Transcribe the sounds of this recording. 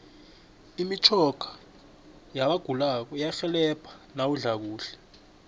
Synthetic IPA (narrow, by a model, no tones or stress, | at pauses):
imit͡ʃʰɔɡ̥ʰʱḁ | jaɓaɡ̥ʱulak̬ɔjaxɛlɛpʰḁnawuɮak̬uːɬɛ̥